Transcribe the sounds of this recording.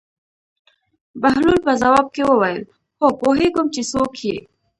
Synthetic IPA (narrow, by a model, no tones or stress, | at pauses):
baɦlulpazawaːb̚kewəwajəl | xokoɦeɡʊmt͡ʃesokʰije